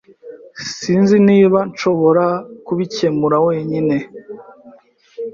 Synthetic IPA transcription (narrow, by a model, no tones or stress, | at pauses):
siːnziniːβant͡ʃo̞βo̞ɾakuβice̞muɾawe̞ːɲine̞